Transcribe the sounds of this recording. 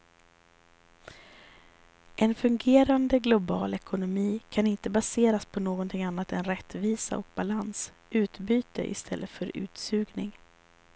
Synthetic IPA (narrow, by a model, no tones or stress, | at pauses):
ʔɛnfɵŋɡeːɾand̪əɡlʊbɑːlɛkʊnʊmiːkʰanɪnt̪əbaseːɾaspʰɔnoːɡɔnt̪ʰɪŋanːat̪ɛnɾɛt̪ːviːsa̰ɔk̚balans | ʔʉ̟ːt̪byːt̪ə̰ʔɪ̰st̪ʰɛlːʔət̪fœɾʉ̟̰ːt̪sʉ̟ːɡnɪŋ